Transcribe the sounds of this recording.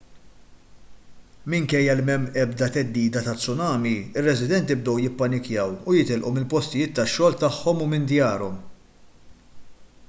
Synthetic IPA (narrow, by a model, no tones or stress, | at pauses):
mɪŋkɛjːɐlmɛmːɛbd̪ɐt̪ɛd̪ːiːd̪ɐt̪ɐt͡sːʊnɐːmiɪrːɛzɪd̪ɛnt̪jɪb̚d̪ɔwjɪpːɐnɪkjɐwujɪt̪ɪlʔumɪlpɔst̪ɪjɪːt̪ːɐʃːɔːlt̪ɐħːɔmumɪnd̪jɐːɾɔm